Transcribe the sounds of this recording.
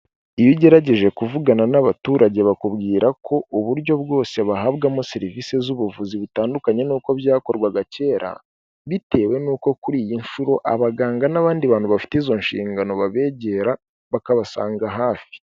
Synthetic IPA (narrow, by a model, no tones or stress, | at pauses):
ijiɟe̞ɾaɟe̞ʒe̞kuvuɡananaβatuːɾʔaɟe̞βakuβɡiːɾʔakʰo̞ʔuβuɾɟo̞βɡo̞ːseβaɦaːβɡamoseɾivise̞zuβuvuziβutaːndukaɲe̞nuːko̞βjaːko̞ɾɡwaɡace̞ːɾa̰ | βite̞ːwe̞nuːko̞kuɾiːjinʃuɾo̞ʔa̰βaɡaːŋɡanaβaːndiβaːn̥huβafi̥teizo̞nʃḭːŋɡano̞βaβe̞ɟe̞ɾa | βakaβasa̰ːŋɡaɦaːfi̥